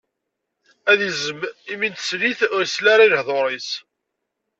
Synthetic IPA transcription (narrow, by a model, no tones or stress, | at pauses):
æðizəmimint̪sliθʊɾslaɾˤilhðˤoɾˤes